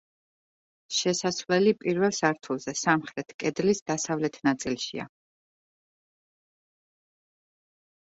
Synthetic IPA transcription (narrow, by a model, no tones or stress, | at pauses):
ʃɛsasvlɛlipʼiɾvɛlˠsaɾt̪ʰulˠzɛsamχɾɛt̪ʰkʼɛd̪lisd̪asavlɛt̪ʰnat̪sʼilˠʃḭa̰